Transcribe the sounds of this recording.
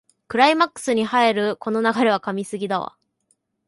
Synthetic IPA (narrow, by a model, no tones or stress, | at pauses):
kɯ̟ɾaimakːɯ̥sɨɲ̟ihae̞ɾɯ̟ko̞no̞naɡaɾe̞β̞akamʲisɨɡʲid̪aβa̰